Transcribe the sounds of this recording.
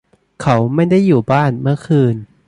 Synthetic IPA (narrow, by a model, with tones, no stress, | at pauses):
kʰa˦˥wma˥˩jda˥˩jːuː˨˩baː˥˩nmɯ˥˩ɐkʰɯː˧n